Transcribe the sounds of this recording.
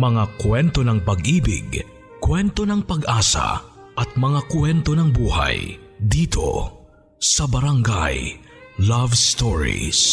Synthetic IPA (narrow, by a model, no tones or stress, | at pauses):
mɐŋakwɛnt̪o̞nɐŋpɐɡʔiːbɪ̰ɡ | kwɛnt̪o̞nɐŋpɐɡʔaːsɐ̰ | ʔɐt̪̚mɐŋakwɛnt̪o̞nɐŋbuːha̰j | d̪iːt̪ʰo̞̰ | sɐbɐɾɐŋɡa̰j | lavst̪oɹḭs